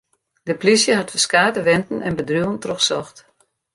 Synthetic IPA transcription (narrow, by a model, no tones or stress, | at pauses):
d̥əplisjəɦatfəskaːtəʋɛntn̩ɛnbədruːəntroχxsɔxt